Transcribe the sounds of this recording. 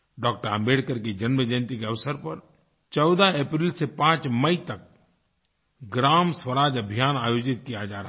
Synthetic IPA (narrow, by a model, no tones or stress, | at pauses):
ɖɔːk̚ʈəɾə̃mbeːɽkəɾked͡ʒənməd͡ʒənt̪ikeɐʋsəɾpəɾ | t͡ʃɔʊd̪aeːpɾiːlsepãːt͡ʃməit̪ɐk̚ | ɡɾaːmswəɾaːd͡ʒəbʱijaːnaːjoːd͡ʒɪt̪kijad͡ʒaːɾɐɦ